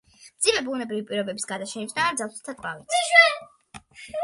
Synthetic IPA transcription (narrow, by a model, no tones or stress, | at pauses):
d̪z̥imɛbunɛbɾivipʼiɾɔbɛbisɡad̪aʃɛnisnaːɾd̪zalˠst̪ʰakʼva̰vit̪s